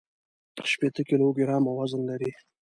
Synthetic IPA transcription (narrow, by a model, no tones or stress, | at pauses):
pə̥ʃpet̪əkiloɡɪɾɑmawazənlaɾi